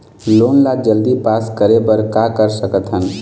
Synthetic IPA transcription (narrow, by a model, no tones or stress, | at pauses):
lonlad͡ʒəld̪ipaskəɾebəɾkakəɾsəkət̪ɦən